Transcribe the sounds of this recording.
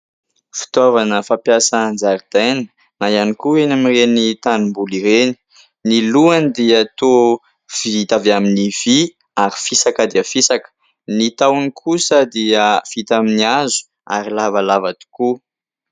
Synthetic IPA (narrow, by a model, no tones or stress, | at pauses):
fi̥t̪ovanəfapjasand͡zaɾid̪̥ajnə | najanikuenamirenit̪anumbuliɾeni̥ | niluand̪iat̪o | v̥iit̪aveaminiv̥i | aɾi̥fisakəd̪iəfisakə̥ | nit̪awnikʰusəd̪iəfit̪aminiazu̥ | a̰ɾilavalavad̪i̥ku